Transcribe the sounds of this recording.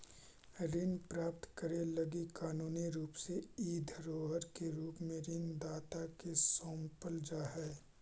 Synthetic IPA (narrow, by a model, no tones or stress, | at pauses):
ɾɪnpɾaːp̚t̪kəɾelɐɡikaːnuːniɾuːpseiːd̪ʱɾoːɦəɾkeɾuːpmẽɾɪnd̪aːt̪akesõːmpəld͡ʒaːɦɛː